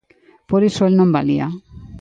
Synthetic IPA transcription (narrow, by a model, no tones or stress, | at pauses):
poɾisɔlnɔmba̰lija̰